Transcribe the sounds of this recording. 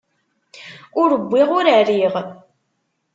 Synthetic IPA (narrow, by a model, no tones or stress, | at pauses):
ʊɾəbːiʁʊɾəɾiʁ